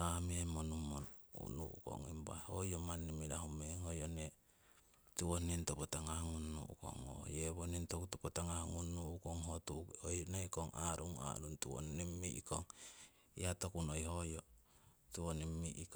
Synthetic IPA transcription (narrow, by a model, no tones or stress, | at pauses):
amiemonumːonṵnṵṵko̰ŋimba̰hojomanːimiɾaɦumeŋojone | tuonintopotaŋahŋunːṵṵko̰ŋo̰jeβonintokutopotaŋahŋunːuukoŋhotuojneikoŋa̰ɾuŋa̰ɾuntuwo̰nːimːiʔikoŋ | iatokunojhojo | tuonimːiʔik